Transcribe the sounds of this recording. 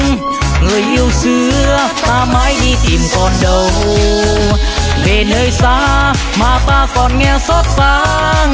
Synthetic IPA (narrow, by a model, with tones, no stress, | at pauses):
ŋɨ˨˩əjʔi˧əwsɨ˨˧˦əə | t̪aː˧ma˨˦˥jɗi˧t̪i˨˩mkɔ˨˩nɗə˨˩w | ve˨˩nəː˧jsaː˧˥ | maː˨˩t̪aː˧kɔ˨˩nŋɛ˧sɔ˦˥t̚saː˧˥ | ŋ